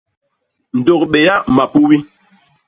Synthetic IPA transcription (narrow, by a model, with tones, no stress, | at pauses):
n̩˨do˨kɓe˨ja˦ma˨pu˦wi˦